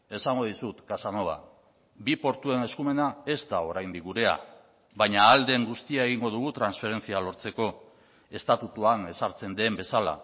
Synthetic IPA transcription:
e̞saŋɡo̞ðisut̪kasanoβa̰ | bipo̞ɾt̪ue̞ne̞skume̞nae̞zt̪ao̞ɾajnd̪ikɡuɾe̞a̰ | βaɲaːld̪e̞ŋɡust̪iae̞ɣ̞iŋɡo̞ð̞uɣ̞ut̪ɾansfe̞ɾe̞nt͡sialo̞ɾt͡se̞ko̞ | e̞st̪at̪ut̪uane̞saɾt͡se̞nd̪e̞mbe̞sala̰

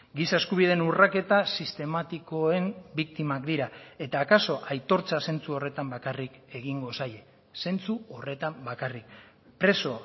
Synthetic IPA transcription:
ɡisae̞skuβ̞iðenurake̞t̪asist̪e̞mat̪iko̞e̞mbik̚t̪imakd̪iɾae̞t̪aːkaso̞ʔajt̪o̞ɾt͡sase̞nt͡suo̞re̞t̪ambakarike̞ɣ̞iŋɡo̞saje̞ | se̞nt͡suo̞re̞t̪ambakarik̚ | pɾe̞so̞

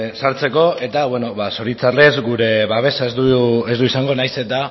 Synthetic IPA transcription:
saɾt͡se̞ko̞e̞t̪aβweno̞βaso̞ɾit͡sare̞zɡuɾe̞βaβ̞e̞saezd̪uezd̪uisaŋɡo̞najse̞t̪a

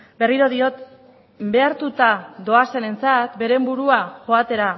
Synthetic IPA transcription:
be̞riɾo̞ðio̞t̪ | be̞aɾt̪ut̪ado̞ase̞ne̞nt͡sat̪be̞ɾe̞mbuɾuaʝo̞at̪e̞ɾa

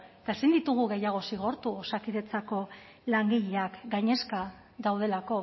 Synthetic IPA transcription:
et̪aesind̪it̪uɣ̞uɣe̞jaɣ̞o̞siɣ̞o̞ɾt̪uosakiðe̞t͡sako̞ | laŋɡiʎeakɡaɲe̞ska | ðawð̞e̞lako̞

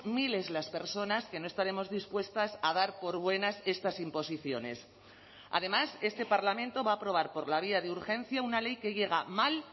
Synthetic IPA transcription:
mile̞zlaspe̞ɾso̞naske̞no̞est̪aɾe̞mo̞zðispwe̞st̪asað̞aɾpo̞ɾβwe̞nase̞st̪asimpo̞siθjo̞ne̞̰s | a̰ðe̞mase̞st̪e̞paɾlamẽnt̪o̞βaːpɾo̞β̞aɾpo̞ɾlaβ̞iaðeuɾxẽ̞nθjaunale̞jke̞ʝe̞ɣ̞amal

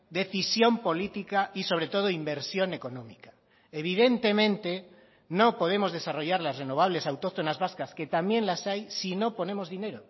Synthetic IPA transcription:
d̪e̞θisjo̞mpo̞lit̪ikaiso̞β̞ɾe̞t̪o̞ð̞oimbeɾsjo̞ne̞ko̞nõmikḁ | eβiðe̞nt̪e̞mẽ̞nt̪e | nopo̞ð̞e̞mozð̞esaroʝaɾlasrenoβ̞aβ̞le̞sawt̪ot̪o̞nazβaskasket̪amje̞nlasajsino̞po̞nẽ̞mo̞zðine̞ɾo

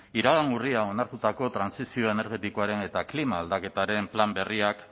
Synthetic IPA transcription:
iɾaɣaŋɡuriao̞naɾt̪ut̪ako̞t̪ɾansisio̞e̞ne̞ɾɣe̞t̪ikoaɾe̞ne̞t̪aklimaːld̪ake̞t̪aɾe̞mplambe̞riak

